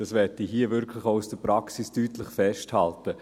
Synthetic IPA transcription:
d̥ɑsʋɛtiɦiːəvɪɾkʰlɪχoʊusd̥əpɾɑksistyːtlɪχfɛʃthaltə

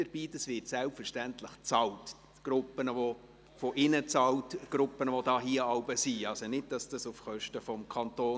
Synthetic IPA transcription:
əɾb̥iːdɑsvɪtsɛlpfəɾʃtæntləχt͡sɑlt | ɡ̥ɾʊpːənəvɔ | fɔʔɪnət͡sɑltɡ̥ɾʊpənəʋɔdɑːɦiəɑlbəsiɑlsɔnɪd̚d̥ɑsd̥ɑsufχœʃtəfɔmkʰɑnt̪oː

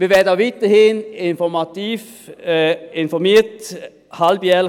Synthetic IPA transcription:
ʋiːʋɛdaʋɪt̪əhɪːnɪnfɔmɑt̪iːf | ɪnfɔɾmeːt | hɑlbjɛl

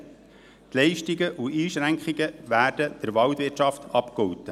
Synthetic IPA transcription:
t̪lɛɪʃtiɡəʔuʔiːʃɾæŋkχiɡəʋæːɾd̥əd̥əɾʋɑlt̪ʋɪt͡ʃɑft̪ɑpkɔwt̪ə

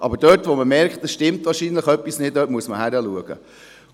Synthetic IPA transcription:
ʔɑ̰bəɾd̥œːtʋoməmɛɾkχtdəsʃtɪmtʋɑːɾʃinləχœpːisnɪddœːt̚muəsməhæɾəluəɡ̥ə̰

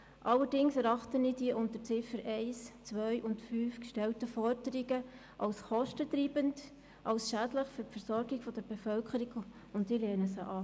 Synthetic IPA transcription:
ʔɑlːəɾdɪŋsɛɾɑχtəniːdiəʔʊntəɾt͡sɪfəɾɛɪst͡sʋœʏʔʊntfyːfkʃtɛltəfɔɾdəɾiɡə | ʔɑlsχɔʃtətɾiːbənt | ʔɑwsʃædləχfʏɾpfəɾsɔɾɡiɡfɔdəɾb̥efœlkʰəɾiɡ | ʊntdiəlɛːnəsəʔɑː

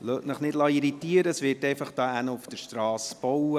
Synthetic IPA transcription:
løːtnəχnɪdlɑːiɾit̪iəɾəəsʋɪrtɛɪfɑχd̥ɑːænəufd̥əɾʃtɾɑːsb̥ɔwə

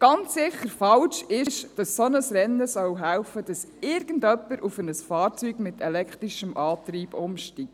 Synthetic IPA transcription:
ɡ̥ɑnt͡ssɪχəɾfɑlʃɪʃd̥ɑssɔnəsɾɛnːəsœwɦælfəd̥ɑsɪːɾɡ̥əndœpːəɾʔufənəsfɑːɾt͡syːɡmɪt̪ʰɛlɛkχt̪ɾiʃəmʔɑːt̪riːb̥ʊmʃtiːk̚

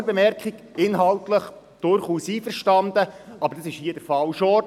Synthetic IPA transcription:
əbɛmɛɾkχiɡɪnɦɑltləχ | d̥ʊɾχuːsiːfəɾʃtɑndəɑbəɾdɑsɪʃhiəd̥əfɑlʃɔ

